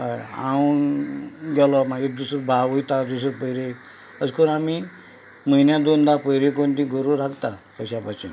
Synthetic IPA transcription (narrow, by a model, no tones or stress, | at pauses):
ɦaja̰wnɡɛlɔmad͡ʑed̪usɾbaʋojt̪ad̪us̬ɾpəjɾe | əd͡zkonami | məinjad̪ond̪apəjɾekoɳt̪ĩɡʱəɾuɾaɡt̪akəɕapat͡ɕḭn